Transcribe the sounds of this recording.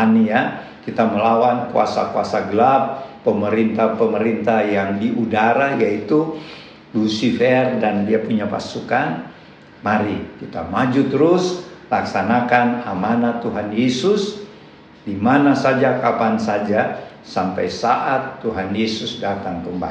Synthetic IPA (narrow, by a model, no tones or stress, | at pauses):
anija | kit̪aməlawankua̰sa̰kua̰saɡəlapː | əməɾint̪apəməɾint̪ajaŋdiudaɾajait̪u | lusifɛrdandiapuɲapa̰sukan | maɾikit̪a̰mad͡ʒut̪əɾʊslaksanakanamanat̪uɦanjesʊs | dimanasad͡ʒakapansad͡ʒa | sampajsaʔat̪ːuɦanjesʊsdat̪aŋkəmba̰